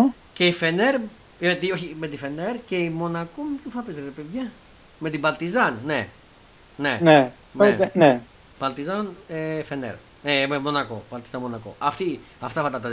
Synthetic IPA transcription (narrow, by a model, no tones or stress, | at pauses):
ce̞ife̞neɾ | et̪ioçime̞t̪ife̞neɾceimo̞nɐkomepçufɐpezeɾepe̞ðʝɐ | me̞t̪ibɐlt̪izɐnːe | nene | nene | b̥ɐlt̪izɐnefenḛɾ | ememo̞nɐko̞̰bɐlt̪izɐnmo̞nɐko̰ʔɐft̪i | ɐft̪ɐfɐt̪ɐt̪ɐ